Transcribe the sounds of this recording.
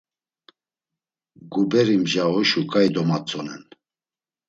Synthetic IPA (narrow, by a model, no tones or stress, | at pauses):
ɡubɛɾimʒaɔʃukʼajd̪ɔmat͡sʼɔnɛ̰n